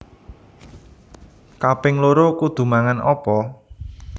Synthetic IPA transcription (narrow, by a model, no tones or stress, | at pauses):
kapɪŋloɾokud̪̥ṳmaŋanʔɔpɔ